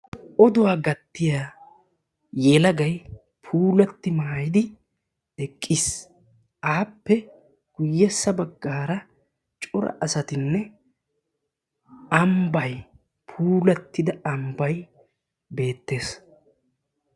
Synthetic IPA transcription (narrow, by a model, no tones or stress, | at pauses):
ʔɔd̪ʊwaːɡɐt̪ːɪjaː | jɛlɐɡɐj | pʰuːlɐt̪ːɪmaːjɪd̪ɪ | dɛkʼːɪs | ʔaːpːɛ | ɡ̥ʊjːɛsːɐbɐɡːaːɾɐ | t͡ʃʼʊɾɐ̰ʔɐsɐt̪ɪnːɛ | ɐmbɐj | pʰuːlɐt̪ːɪd̪ɐɐmbɐj | be̞ːt̪ːe̞ːs